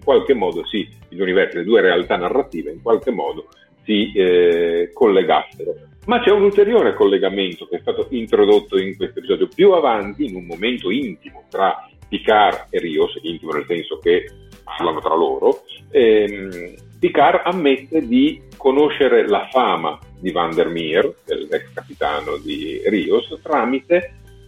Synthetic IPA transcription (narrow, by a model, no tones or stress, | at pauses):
iŋkwalkemːɔːd̪osiilunivɛrsiled̪uːeɾealt̪anarːat̪iːveiŋkwalk̟emːɔːd̪o | si | kolːeɡa̰sːeɾo | mat͡ʃɛunult̪eɾjoːɾekolːeɡament̪ok̟eɛst̪aːt̪oʔint̪ɾod̪ot̪ːoiŋkwest̪oepizɔːd̪jopjuavant̪iːnumːoment̪oint̪imot̪ɾapikareriːosint̪imonelsɛnsokepa̰rlanot̪ɾa̰loːɾoɛm | pikaramːet̪ːed̪ikonoʃeɾelafaːma̰d̪ivand̪ermird̪ḛlːɛkskapit̪a̰ːnod̪ḭriːost̪ɾaːmit̪e